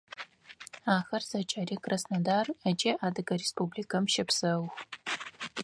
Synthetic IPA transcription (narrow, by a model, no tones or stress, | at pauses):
aːxɐrz̥ɐt͡ʃʼaːɾiːkʼrɐsnɐdaːrɐt͡ʃʼɐʔaːdɨɡɐrespublikʰɐmʃɐpsɐwx